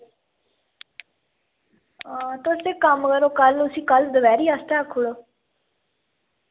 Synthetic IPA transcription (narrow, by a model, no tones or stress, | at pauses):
t̪oseːkəmkəɾoːkəlʊsĩːkəld̪əʋɛːɾiːast̪eːəkʰːuɽoː